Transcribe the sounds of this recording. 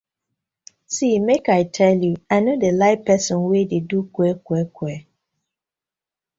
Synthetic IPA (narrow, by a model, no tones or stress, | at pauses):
simekaɪtʰɛljuaɪnodelaɪpɛsɔ̃nwededukwɛkwɛkwɛ